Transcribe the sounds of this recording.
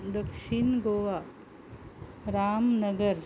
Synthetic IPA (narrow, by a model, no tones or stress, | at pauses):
d̪ɐkʃɪnɡoːʋa | ɾaːmnɐɡəɾ